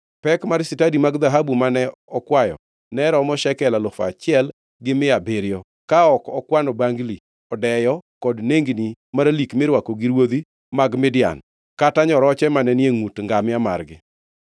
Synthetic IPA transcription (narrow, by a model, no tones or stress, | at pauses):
pɛkmaɾsɪtadimaɡd̪aɦabumanɛɔkwajɔ̰ | nɛɾɔmɔʃɛkɛlalʊfa̰t͡ʃɪɛl | ɡɪmɪabeɾɪjɔ | kaɔkɔkwanɔbaŋɡli | ɔdɛjɔkɔdneŋɡnimaɾalikmɪɾwakoɡiɾwod̪i | maɡmɪdja̰n | kataɲɔɾɔt͡ʃɛmanɛnjeŋutŋɡamɪama̰rɡɪ